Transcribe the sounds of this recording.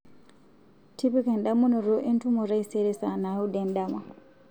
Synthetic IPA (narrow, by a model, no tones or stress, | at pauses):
tipikanɗamunɔɾɔʔentumɔɾajsɛɾɛsanaudɛndama